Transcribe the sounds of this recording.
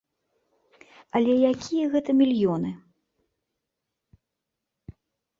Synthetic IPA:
ɐlʲɛjakʲʰijɐɣɛt̪ɐmʲilʲjɔnɨ

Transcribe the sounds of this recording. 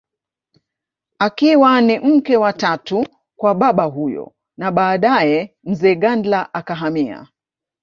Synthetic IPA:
akiwanim̩kɛwatatu | kwaɓaɓaɦujɔ̰ | naɓaːɗajɛ | m̩zɛːɠandlaʔakaɦamia̰

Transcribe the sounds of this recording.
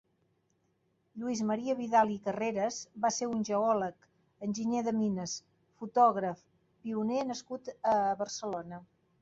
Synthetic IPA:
ʎuizməɾiəβiðalˠikəreɾəzβaseunʲʒəɔlək | ənʲʒiɲeðəminəs | fut̪ɔɣ̞ɾəf | piunenəskut̪əβərsəlonə

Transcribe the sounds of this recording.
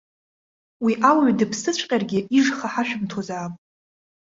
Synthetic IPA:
wiʔawɥdɨpʰsɨt͡ɕʷʰʼqʲʼarɡʲɪʔiʐχaħaʃᶣʊmtʰozaːpʼ

